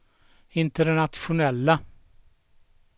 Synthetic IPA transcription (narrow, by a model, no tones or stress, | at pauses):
ɪnt̪əɾɳɑt̪ʃʊnɛlːə